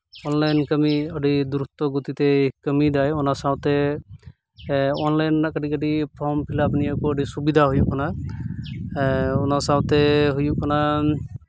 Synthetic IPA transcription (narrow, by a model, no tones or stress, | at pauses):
ɔnlajnkəmiəɖid̪uɾut̪ɔɡut̪it̪ɛkəmid̪ajɔnasawt̪ɛ | ɔnlajnakəʈikəʈipʰɔɾmpʰilapniakuəɖisubid̪ʱaɦujuʔkana | ɔnasawt̪ɛɦujuʔkana